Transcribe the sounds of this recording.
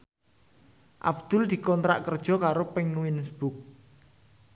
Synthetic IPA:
ʔa̰bd̪̥ʊ̤ld̪̥i̤kɔnt̪ɾa̰ʔkərd̥ʒ̥ɔ̤kaɾopɪŋwinsb̥ʊk̚

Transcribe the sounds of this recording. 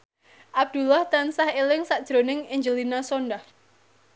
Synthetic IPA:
ʔab̚d̪̥ṳlaht̪ansahelɪŋsaʔd̥ʒ̥ɾo̤nɪŋɪɲd͡ʒəlinasonɖah

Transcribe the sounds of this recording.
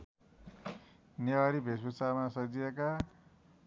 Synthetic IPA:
nʌwaɾibʱesbusamasʌd͡zieka

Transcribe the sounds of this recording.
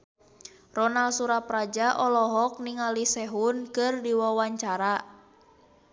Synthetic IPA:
rɔnalsuɾapɾad͡ʒaʔɔlɔɦɔk̚niŋalisɛɦunkɨrdiwawaɲt͡ʃaɾa

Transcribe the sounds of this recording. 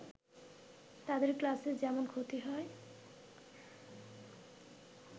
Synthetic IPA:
t̪ad̪eɾklased͡ʑɛmonkʰot̪iɦɔe

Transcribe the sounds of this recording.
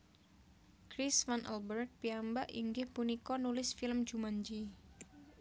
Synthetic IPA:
kɾisfanʔɛ̰lbərt̪̚piambaʔḭŋɡɪhpunikɔnulɪsfɪləm̥d͡ʒumaɲd͡ʒi

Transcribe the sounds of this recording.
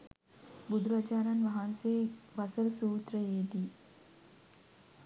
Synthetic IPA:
bud̪ʱuɾad͡ʒaːɾanʋaɦanseːʋɐsəɾsuːt̪rəjeːd̪i

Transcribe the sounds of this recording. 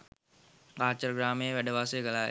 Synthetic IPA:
aːt͡ʃəɾɡɾaːmeeʋæɖəʋaːsəjɡəlaːj̰

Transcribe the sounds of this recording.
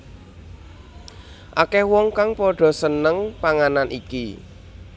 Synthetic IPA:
ʔakɛhwɔŋkaŋpɔɖ̥ɔ̤sənəŋpaŋananʔiki

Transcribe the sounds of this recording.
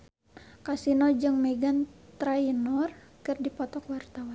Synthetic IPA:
kasinɔd͡ʒɨŋmɛɡant̪ɾainɔrkɨrdipɔt̪ɔkwart̪awan

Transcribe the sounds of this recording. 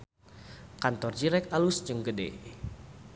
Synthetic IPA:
kant̪ɔrd͡ʒiɾɛk̚alusd͡ʒəŋɡədḛ

